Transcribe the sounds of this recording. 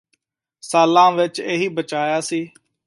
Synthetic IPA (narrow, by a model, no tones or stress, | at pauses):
saːlãːʋɪt͡ʃeːɦiːbət͡ʃaːjaːsiː